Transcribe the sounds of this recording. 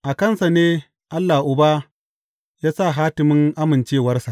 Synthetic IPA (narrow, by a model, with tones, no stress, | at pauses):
ʔa˨kɐ˦nsa˨neː˦ | ʔa˦lːa˨ʔʊ˨baː˦ | jaː˦sa˦˨ɦaː˦tɪ˨mɪ˦ŋʔa˦mɪ˨nt͡ʃeː˦˨wɐ˦rsa˨ʔ